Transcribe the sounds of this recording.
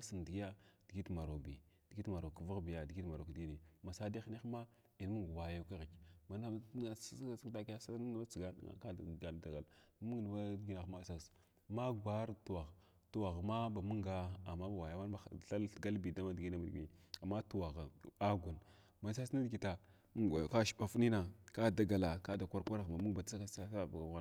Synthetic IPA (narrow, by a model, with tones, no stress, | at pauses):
a˦si˨n˨di˨ɡi˦a˦d̥i˨ɡi˦tma˨ɾo˨bi˨d̥i˨ɡi˦tma˨ɾo˨ku˨vu˦ɣbi˨ja˨di˨ɡi˦ta˨ɾo˨kdi˦ni˨ma˨sa˦di˦ni˦ma˦ | i˨n˦mu˦ŋɡwa˨ja˨ka˦ɣi˨kma˨na˦a˦ssi˦kta˦ki˦ja˦sa˦na˦a˦t͡si˨ɡa̰˦ŋa̰˨ka˦˨ɡa˨lda˨ɡa˨lmu˦ɡn˨wa˦dɡi˦na˨xma˨sa˦s | ma˦ɡʷa˦ɾtu˨wa˨ɣ | tu˨wa˨ɣma˦ba˨mu˦ŋɡa˦a̰˨ma˦ba˨wa˨ja˨˦ma˦n˦a˨a˦lɬɡa˦lbi˨da˦ma˦dɡi˦na˦mi˨dɡi˨a˨ma˦tu˨wa˨ɣa˨a˦ɡʷu˨n | ma˨s̬a˦sna˦dɡi˨ta˨ | mu˦ɡka˦ʃɓa˨fni˦na˨ka˦da˨ɡa˨la˨ka˦da˨kʷa˦ɾkʷa˦ɾa˨ɣma˨mu˦ŋɡba˨ta˦ka˦a˦sa˦ba˨ɡa˨˦ɣa˦